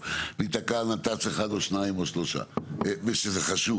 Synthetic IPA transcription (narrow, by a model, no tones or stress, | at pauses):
lit̪akanat̪at͡seχad̪oʃnaimoʃloʃa̰eveʃezeχaʃu